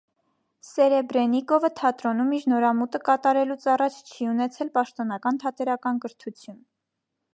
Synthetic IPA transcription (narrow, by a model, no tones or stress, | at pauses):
sɛɾɛbɾɛnikɔvət̪ʰɑt̪ɾɔnumiɾnɔɾɑmut̪əkɑt̪ɑɾɛlut͡sʰɑrɑt͡ʃʰt͡ʃʰiunɛt͡sʰɛlpɑʃt̪ɔnɑkɑnt̪ʰɑt̪ɛɾɑkɑnkəɾt̪ʰut͡sʰjun